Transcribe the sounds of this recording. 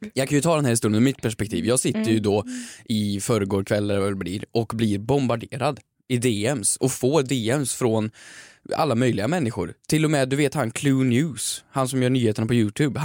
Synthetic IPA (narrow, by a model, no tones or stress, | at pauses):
jɑkʰanjɵt̪ʰɑːd̪ɛnhæɾɪst̪uːɾnəɔmɪt̪̚pʰæʂpɛk̚t̪ʰḭːvjɑːɡsɪt̪ːəɾjɵd̪ɔʔɪfœɾəɡoːɾkʰvɛlːaɾvaɛlblḭːɾɔkblɪɾbɔmbaɖeːɾad̪ | ɪd̪eːɛmsɔfoːd̪eːɛmsfɾɔn | a̰lːamœjlɪɡamɛnːɪɧʊ̰ɾt̪ʰɪlːɔmɛd̪ɵveːt̪hankʰlʉːnjʉːshansɔmjœːɳyːheːt̪ənapʰɔjʉːt̪ʰʉːb